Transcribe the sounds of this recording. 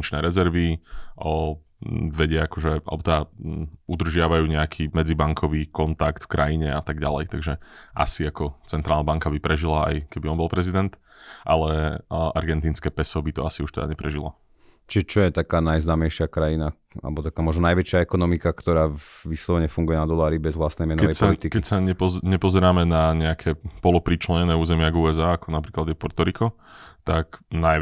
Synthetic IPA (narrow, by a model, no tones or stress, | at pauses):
t͡ʃnɛːɾɛzɛɾʋi | ʋɛɟɪaakɔʒɛʔa̰lɛbɔt̪ɛd̪aud̪r̩ʒɪaʋajuːɲɛakʰimɛd͡zibaŋkʰɔʋiːkɔnt̪akt̪fkɾʔajiɲɛat̪aɡɟa̰lɛ̰jt̪aɡʒɛʔa̰siakɔt͡sɛnt̪ɾaːlˠnabaŋkabipɾɛʒilaa̰jkɛbiɔnbɔlˠpɾɛzid̪ɛnt̪ | ʔalɛa̰ɾɡɛnt̪iːnskɛːpɛsɔbit̪ɔasiuʃt̪ɛd̪a̰ɲɛpɾɛʒila̰ | t͡ʃiʒɛt͡ʃɔjɛt̪akaːnajznaːmɛjʃɪakɾajina | a̰lɛbɔt̪akaːmɔʒnɔnajʋɛt͡ʃɪaɛkɔnɔmikakt̪ɔɾaːʋislɔʋɲɛfuŋɡujɛnad̪ɔlaːɾibɛzʋlast̪ɛjmɛnkɔɛʋɛjsɔliit̪ikɛcsaɲɛpɔɲɛpɔzɛɾaːmɛnaɲɛakʰɛːpɔlɔpɾit͡ʃlɛɲɛnɛːuːzɛmɪaɡuːɛzaːkɔnapɾiːklad̪jɛpɔɾt̪ɔɾikʰɔ | t̪aknaj